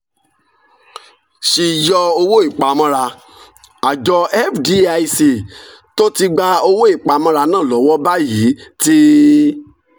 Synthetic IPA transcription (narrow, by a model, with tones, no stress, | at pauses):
ʃi˧˨jɔ˧o˧wo˦i˦˨k͡pa˨mɔ̃˧ɾa˧ | a˨d͡ʒɔ˧ɛ˦fdi˧a˧i˧se˨ | to˦ti˧ɡ͡ba˧o˧wo˦i˦˨k͡pa˨˦mɔ̃˧ɾa˧nãː˦˨lɔ˨˦wɔ˦ba˦ji˨˦ti˦